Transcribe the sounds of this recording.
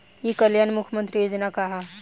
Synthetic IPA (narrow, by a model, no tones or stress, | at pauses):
jikɐljaːnmʊkʰjmənt̪ɾijoːd͡ʒnakaɦa